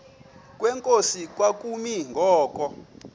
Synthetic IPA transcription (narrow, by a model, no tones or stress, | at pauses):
k̬ʼwɛŋkʼosik̬ʼwak̬ʼumiŋɡʱɔːkʼɔ